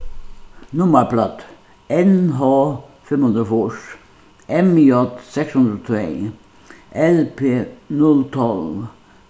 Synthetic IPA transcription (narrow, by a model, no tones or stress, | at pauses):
nʊməplɑt̪ | ɛnɦɑfɪmhʊnd̪əfɔʃ | ʔɛmɔt̪sɛkshʊnd̪ət̪ʰe | ʔɛlpʰeːnʊlt̪ʰɔl